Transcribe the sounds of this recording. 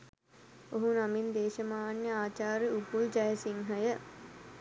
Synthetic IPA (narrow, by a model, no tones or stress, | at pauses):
oɦunamind̪eːʃəmaːnjəaːt͡ʃaːɾiupuld͡ʒɐjəsiŋɦɐjə